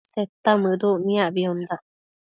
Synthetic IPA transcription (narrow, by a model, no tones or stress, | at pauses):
set̪ːamɨduʔnĩabiund̪a